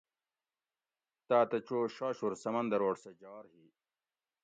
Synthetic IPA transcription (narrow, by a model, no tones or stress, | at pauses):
t̪aːt̪ɐt͡ɕoːɕaːɕuɾsɐmɐnd̪ɐɾoːʈsed͡ʑɑːɾhiː